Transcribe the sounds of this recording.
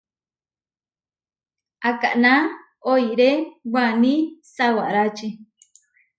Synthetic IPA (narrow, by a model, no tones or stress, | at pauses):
aka̰ʔnã | oiɾewanĩsawa̰ɾat͡ʃi